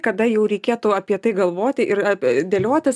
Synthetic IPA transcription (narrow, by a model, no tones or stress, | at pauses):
kɐd̪ɐjɛʊɾʲɛɪkʲeːt̪ʊɐpʲiɛt̪ɐɪɡɐlˠʋoːt̪ʲɪʔɪrɐd̪ʲeːlʲoɔt̪ʲɪs